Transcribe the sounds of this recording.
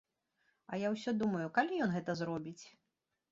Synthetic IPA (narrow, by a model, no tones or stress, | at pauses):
ɐjawsʲɔd̪umɐjukalʲijɔnɣɛt̪ɐzɾɔbʲit͡sʲ